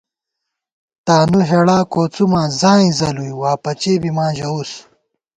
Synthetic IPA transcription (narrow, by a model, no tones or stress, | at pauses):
t̪aːnuɦeɽãːkoːt͡sumãːzãːĩzɐlujwaːpɐt͡ɕeːbimãːʑɐus